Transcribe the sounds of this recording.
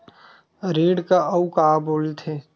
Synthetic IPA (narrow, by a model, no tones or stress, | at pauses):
ɾiːɽkaɐukaːboːlt̪ʰeː